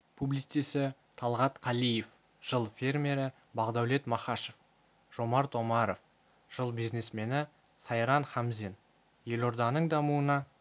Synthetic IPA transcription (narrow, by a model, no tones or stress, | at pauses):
pʰublit̪esɪ | t̪ʰɑlˠʁɑt̪qʰɑlijef | ʒ̥əlˠfʲe̞rmʲe̞ɾɪ | bɑʁd̪ɑwle̞t̪mɑχɑʃef | ʒ̥o̞mɑɾt̪o̞mɑɾof | ʒ̥əlˠbijzne̞sme̞nɪ | sɑjɾɑnχɑmzen | je̞lo̞ɾd̪ɑnəɴd̪ɑmuənɑ